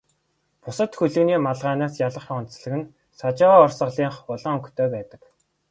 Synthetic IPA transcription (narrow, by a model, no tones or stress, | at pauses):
pʊsə̆t̪xɵɮɵ̆ɣniːmaɮʁaːnaːsjaɮə̆χnsɮə̆ɣɘ̆n | sat͡ɕaʁaːɔrsə̆ʁɮiːɴχʊɮɞ̆ŋɵŋkt̪ʰœːpæːt̪ə̥̆k